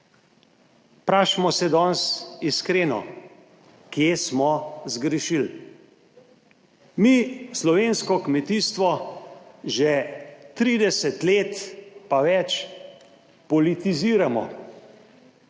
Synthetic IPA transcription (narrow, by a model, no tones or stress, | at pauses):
pɾaːʃmɔsɛd̪ɔnsiskɾeːnɔ̰ | kjesmɔzɡɾɛʃil | mislɔʋeːnskɔkmɛt̪iːst̪ʋɔ | ʒɛt̪ɾiːd̪ɛsɛt̪leːt̪paʋɛt͡ʃ | pɔlit̪iziːɾamɔ̰